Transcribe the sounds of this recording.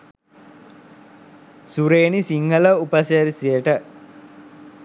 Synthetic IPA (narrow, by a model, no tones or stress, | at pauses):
suɾeːnisiŋhələupəseɾisijəʈə